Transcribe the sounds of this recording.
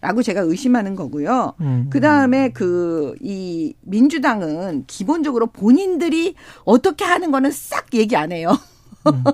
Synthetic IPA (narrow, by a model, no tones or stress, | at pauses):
ɾʔaɡot͡ɕe̞ɡaɯɕ͈ʰimɦanɯnɡʌɡujokɯdaɯme̞kɯimind͡ʑudaŋɯnkibond͡ʑʌɡɯɾopoɲindɯɾiʌt͈ʌkʰe̞ɦanɯnɡʌnɯns͈ak̚je̞ɡiane̞jo